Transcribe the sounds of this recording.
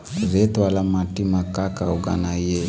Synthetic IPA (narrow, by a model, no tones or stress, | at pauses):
ɾet̪walamatimakakauɡa̰naje